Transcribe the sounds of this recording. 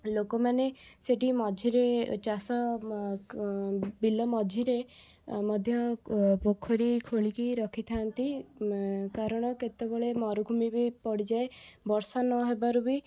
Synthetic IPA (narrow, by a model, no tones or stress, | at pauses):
lokɔmaneseʈimɔd͡ʒʱiɾet͡ʃasɔ | bilɔmɔd͡ʒʱiɾe | mɔd̪ʱjɔpokʰːɔɾikʰoɭikiɾɔkʰit̪ʰant̪i | kaɾɔɽ̃ɔket̪ebɔɭemɔɾuɡʱumibipɔɽid͡ʒaebɔɾsanɔɦebaɾubi